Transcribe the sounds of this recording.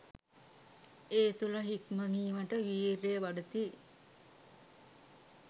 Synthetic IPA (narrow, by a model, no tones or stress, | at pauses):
eːt̪ulɐɦikməmiːʋəʈəʋiːɾejʋaɖət̪i